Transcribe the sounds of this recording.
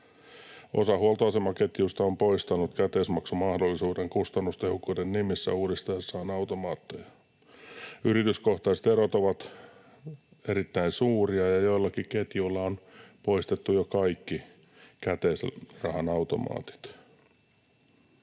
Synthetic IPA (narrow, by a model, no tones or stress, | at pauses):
ʔosɑhuolt̪oɑsemɑket̪just̪ɑompoist̪ɑnut̪kæt̪esmɑksumɑhdolːisuːdeŋkust̪ɑnːust̪ehokːuːdennimisːæ̰uːdest̪ɑjɑsːɑːnɑut̪omɑːt̪ːojɑ | yrit̪yskoht̪ɑːset̪eɾot̪oʋɑt̪ | eɾit̪ːæinsuːriɑjɑjoilːɑkiket̪julːɑonpoist̪et̪ːujokɑikːi | kæt̪eːsrɑhɑnɑut̪o̰mɑ̰ːt̪i̥t̪